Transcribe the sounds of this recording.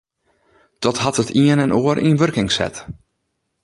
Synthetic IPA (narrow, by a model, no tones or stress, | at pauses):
d̥ɔthɦatətiənɛnʔoəɾʔḭnʋørkɪŋsɛ̰t